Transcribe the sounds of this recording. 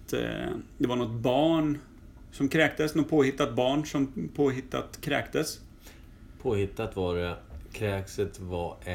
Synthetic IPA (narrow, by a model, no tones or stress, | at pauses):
t̪d̪ɛvaɳɔt̪bɑːɳ | sɔmkʰɾɛːk̚d̪əsnɔt̪̚pʰoːhɪt̪ːat̪̚bɑːɳsɔmpʰoːɦɪt̪ːa̰t̪kʰɾɛ̰ːkt̪əs | pʰoːhɪt̪ːat̪vɑɾɛkʰɾɛːksət̪va